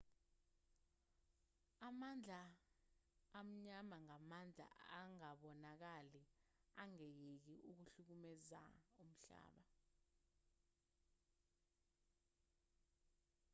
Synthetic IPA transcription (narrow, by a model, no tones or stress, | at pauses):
amand͡ɮʱa | m̩ɲamaŋamand͡ɮʱa̰aŋaɓɔnak̬aliaŋejek̬iuk̬uɬuk̬umɛza̰um̩ɬa̰ːɓa